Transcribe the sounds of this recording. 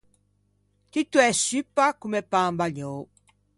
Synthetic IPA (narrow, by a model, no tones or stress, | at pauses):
t̪it̪wɛsypːakumepãːmbaɲoː